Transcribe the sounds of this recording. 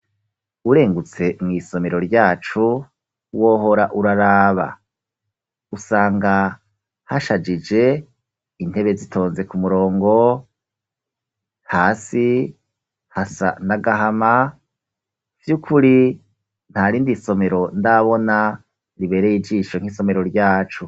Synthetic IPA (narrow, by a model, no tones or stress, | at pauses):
uɾe̞ːŋɡut͡se̞mŋiːso̞me̞ɾo̞ɾɟaːt͡ʃu | wo̞ːɦo̞ɾaʔuɾaɾaːβa̰ | usaːŋɡa | haʃad͡ʒid͡ʒe̞ | in̥he̞βe̞zitʰo̞ːnze̞kumuɾo̞ːŋɡo̞ | haːsi | hasa̰ndaɡaɦama | vjukʰuɾi | n̥haɾiːndiso̞me̞ɾo̞ndaβo̞na | ɾiβe̞ːɾejid͡ʒiːʃo̞ŋ̥iso̞me̞ɾo̞ɾɟaːt͡ʃu